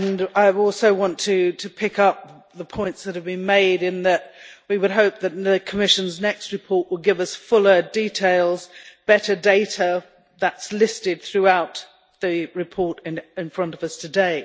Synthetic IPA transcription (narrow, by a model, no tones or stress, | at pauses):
naɪɔˑlˠsoʊwɑ̃ntʰɨtʰɨpʰɪkʌp̚ | ðəpʰɔ̃ɪ̃ntsðɨt̚hɨvbɨ̃nmeɪɾɨ̃nðɨʔ̚wiwəd̚ɦoʊp̚ðɨt̚ⁿɨkʰəmɪʃɨ̃nznɛkst̚ɹɨpʰɔɹʔwəl̚ˠɡɪvʌsfʊlˠə˞ditʰeɪlˠzb̥ɛɾə˞deɪɾə | ðətslɪstɨd̪̚θɹʉaʊt̪̚ | ðɨɹɨpʰɔɹɾɪ̃ɪ̃nfɹʌ̃ntʌvʌstʰɨdeɪ